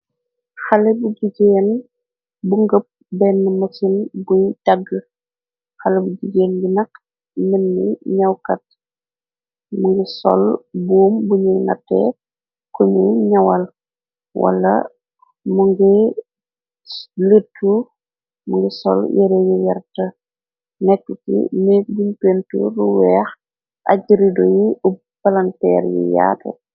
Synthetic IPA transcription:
xɐlɛbuɟiɟɛːn | buŋɡəp̚ | bɛnːəmɐsinbujdɐɡːə | xɐlɛbuɟiɟeːnbinɐk | mɛnːiɲɐwkɐt̚ | muŋɡisɔ̰lbuːmbuɲujnɐ̰tːɛ̰ | kuɲuɲɐwɐl | wɐ̰lːɐ̰ | muŋɡi | lətːu | muŋɡisɔ̰ljɛɾɛjijɛrtɐ | nɛkːutḭnɛbunpentṵɾuwɛːx | ʔɐ̰ɟiɾidojiu | pɐlɐntɛːɾjḭja̰ːtɛ̰

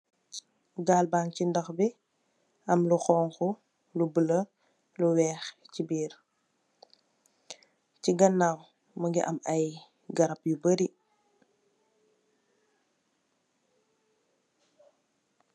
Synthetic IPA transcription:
ɡaːlbaːŋcindɐxbi | ɐmluxɔːŋxu | lubələ | luwɛːxcibiːɾ | ciɡɐnːaw | məŋɡiʔɐmɐj | ɡɐɾɐpjubəɾi

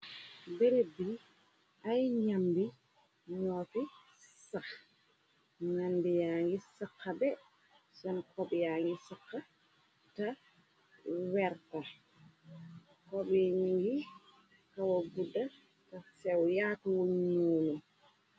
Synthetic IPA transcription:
bɛɾebi | ʔajɲambi | ɲɔti | sax | ŋanbijaŋɡisakːabɛ | sɔnkɔbijaŋɡisakːa | ta | wɛɾta | kɔbiɲuji | kawaɡudːa | tasɛwjaːtwuɲɲuːlu

